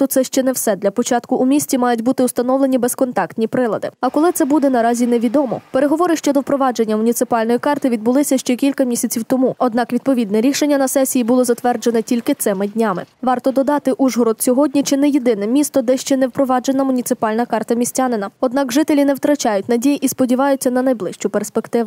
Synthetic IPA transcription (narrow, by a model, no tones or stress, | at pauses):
ʊt̪sɛʃt͡ʃɛnɛwsɛd̪lʲɐpɔt͡ʃɑt̪kʊʔːmʲisʲt͡sʲimɑjʊtʲbut̪ɪʊst̪ɐnɔwlˠenʲibɛskɔnt̪ɑkt̪ʲnʲipɾɪlˠɐd̪ɪ̰ɐkɔlˠɪt̪sɛbud̪ɛnɐɾɑzʲineʋʲid̪ɔmɔ̰peɾeɦɔʋɔɾɪʃt͡ʃɔd̪ɔwpɾɔʋɑd͡ʒe̞nʲːɐmʊnʲit̪sɪpɑlʲnɔjikɑrt̪ɪʋʲid̪̚bʊlˠɪsʲɐʃt͡ʃɛkʲilʲkɐmʲisʲɐt͡sʲiwt̪ɔmuɔd̪nɑkʋʲid̪̚pɔʋʲid̪nɛɾʲiʃenʲːɐnɐsɛsʲijibulˠɔzɐt̪ʋɛrd͡ʒenɛtʲilʲkɪt̪sɪmɪdʲnʲamɪʋɑrt̪ɔd̪ɔd̪ɑt̪ɪʔuʒɦɔɾɔd̪sʲɔɦɔdʲnʲit͡ʃɪnɛjed̪ɪnɛmʲist̪ɔd̪ɛʃt͡ʃɛnɛwpɾɔʋɑd͡ʒenɐmʊnʲit̪sɪpɑlʲnɐkɑrt̪ɐmʲisʲtʲanɪnɐɔd̪nɑkʐɪt̪elʲinɛwt̪ɾɐt͡ʃɑjʊtʲnɐdʲijiʔispɔdʲiʋɑjʊtʲt͡sʲːɐnɐnɐjblˠɪʃt͡ʃʊperspekt̪ɪʋ